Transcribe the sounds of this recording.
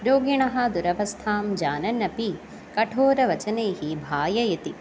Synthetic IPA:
ɾoːɡiɳɐɦɐd̪uɾɐʋɐst̪ʰaːmd͡ʒaːnɐnːɐpi | kɐʈʰoːɾɐʋɐt͡ʃɐneːɦibʱaːjɐjɐt̪i

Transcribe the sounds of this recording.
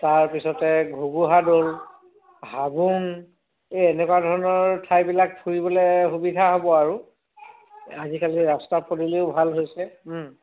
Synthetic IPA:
taɹpisɔtɛɡʱuɡuɦadol | ɦabun | ɛnɛkwadʱɔɹɔnɔɹtʰajbilak̚pʰuɹibɔlɛxubidʱaɦobɔaɹu | azikaliɹastapɔdileʊbʱalɦojsɛ

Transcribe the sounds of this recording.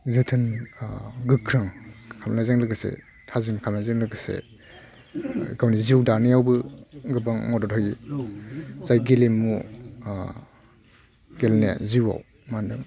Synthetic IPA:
zɯtʰɯn | ɡɯkʰɾɯŋkʰamnazeŋlɯɡɯsḛ | tʰazinkʰamnazeŋlɯɡɯsḛ | ɡawniziwdanijawbɯɡɯbaŋmɔdɔtʰɔji | zajɡilimːu | ɡ̥elnḛziwa̰w | mandɯŋ

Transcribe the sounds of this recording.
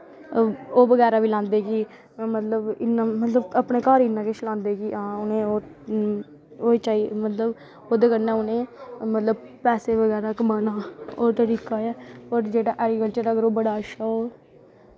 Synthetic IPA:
oːʋəɡɛːɾaːʋiːlãːnd̪eːkiː | mət̪ləbɪnːãːmət̪ləbəpneːkaːɾiːnãːkeːt͡ʃʰlãːnd̪eːkiːʔãːʊnẽːoː | oːiːt͡ʃaːimət̪ləb | oːd̪eːkənːɛ̃ːʊnẽːmət̪ləb̚ | pɛːseːʋəɡɛːɾaːkəmaːnaːoːt̪əɾiːkaːɛːoːɾd͡ʒeːɽaːʔɛːɡikəlt͡ʃəɾəɡəɾoːbəɽaːʃaːoː

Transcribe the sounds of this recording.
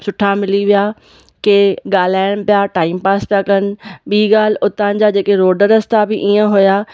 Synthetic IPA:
sʊʈʰamɪliʋija | keɠaːl̤aːɪɽ̃pijaʈaːɪmpaːspjakənɪ̆ɓiːɡaːl̤ʊt̪ãːnɪ̆d͡ʑad͡ʑeːkeɾoːɖəɾɐst̪abɪʔiːə̃ɦʊjaː

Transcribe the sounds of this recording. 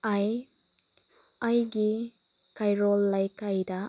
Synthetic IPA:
aj | ajɡi | kajɾɔlːajkajdɐ

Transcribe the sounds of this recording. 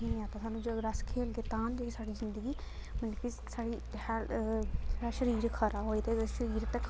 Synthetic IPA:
ɦĩːaːt̪ãːsaːnũːd͡ʒoɾəskʰeːlɡeːt̪ãːnd͡ʒeːsaːɽiːzɪnd̪əɡiː | mənki | saːɽiː | hɛːlsaːʃəɾiːɾkʰəɾaːɦoːiːt̪eːʃəɾiːɾt̪ekʰ

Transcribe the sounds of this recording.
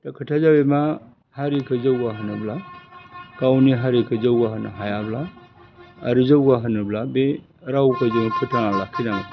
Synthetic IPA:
takʰətʰazabema | haɾikʰɯzəwɡaɦɯnɯbla | kawniɦaɾikʰɯzəwɡaɦɯna̰ɦajablaː | ɾuzəwɡaɦɯnɯblabe | ɾawkʰazɯmpʰɯtʰanalakʰinaŋ

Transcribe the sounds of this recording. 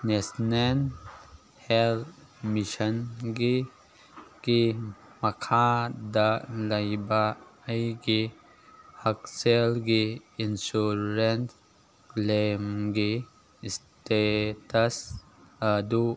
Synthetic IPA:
nesnen | hel | miʃənɡi | ki | məkʰad̪aləibaəjɡi | həkselɡiinsuɾent | lemɡi | sʈetəs | d̪u

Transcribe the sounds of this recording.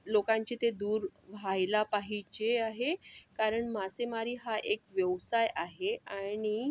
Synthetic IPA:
lokãɲt͡ɕet̪ed̪uːɾʋʱajlapaɦit͡ɕeaɦekaɾəɳmasemaɾiːɦaʔekʋjəʋsajaɦeaɽ̃i

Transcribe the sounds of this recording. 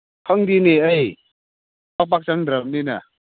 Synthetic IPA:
kʰaŋdiniʔəj | pak̚pak̚t͡ɕaŋd̪ɾəmnina

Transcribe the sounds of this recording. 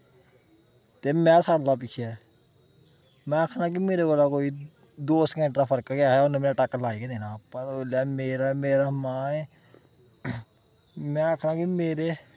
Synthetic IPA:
t̪eːmɛ̃ːsaːɽlaːp̬ɪkʰjaː | mɛ̃ːəkʰnaːk̬imeːɾeːkəlaːkoːiː | d̪oːskɛ̃ɳʈɾaːpʰəɾkakaːaʊnːmenaːʈakːəlaːiːkeːd̪eːnaːpəlaːmeːɾameːɾaːmãːɛː | mɛ̃ːəkʰnãːkimeːɾeː

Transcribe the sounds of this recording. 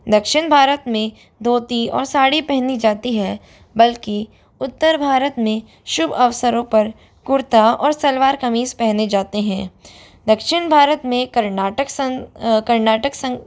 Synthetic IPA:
d̪ɐkʃɪñbʱaːɾət̪mẽ | d̪ʱoːt̪iɔ̰ːɾsaːɽipɛɦnid͡ʒaːt̪iɦɛː | bɐlki | ʊt̪ːəɾbʱaːɾət̪mẽ | ʃʊbɐʋsəɾõpɐɾ | kʊɾt̪aɔ̰ːɾsɐlʋaːɾkɐmiːzpɛɦned͡ʒaːt̪eɦɛ̃ː | d̪ɐkʃɪñbʱaːɾət̪mẽkɐɾnaːʈəksə̃kɐɾnaːʈəksɐ̃

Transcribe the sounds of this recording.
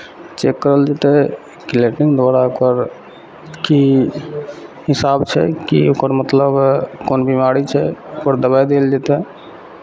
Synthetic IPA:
t͡ʃekːəɾəld͡ʒet̪ɛ | kileʈiŋd̪aɾaokəɾ | ki | ɦisabt͡ʃʰɛ̰kḭokəɾmət̪ləbkonbimaɾit͡ʃʰɛokəɾd̪əbajd̪eld͡ʒet̪ɛ

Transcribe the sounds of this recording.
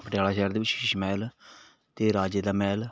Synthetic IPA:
pəʈejaːlaːʃɛːɾd̪eːʋɪt͡ʃʃɪʃmɛːl | t̪eːɾaːd͡ʒeːd̪aːmɛːl

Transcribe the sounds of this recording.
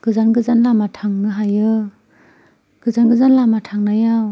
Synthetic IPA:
ɡ̥ɯzanɡɯzanlamatʰaŋnɯɦajɯ | ɡ̥ɯzanɡɯzanlamatʰaŋnajaw

